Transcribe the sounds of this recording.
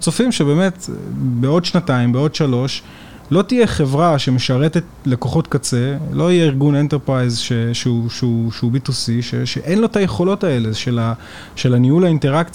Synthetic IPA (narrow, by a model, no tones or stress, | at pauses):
t͡sofimʃebe̞ːmetbeo̞dʃnataimbeo̞dʃalo̞ʃ | lo̞tijeχe̞vʁaʃe̞meʃaʁetet | leko̞χo̞tkat͡se̞lo̞ijeiʁɡune̞nteʁpʁajzʃeʃeuʃeuʃeubitusiʃeʃeʔenlo̞tajeχo̞lo̞tae̞leʃela | ʃe̞laniulainte̞ʁakt͡s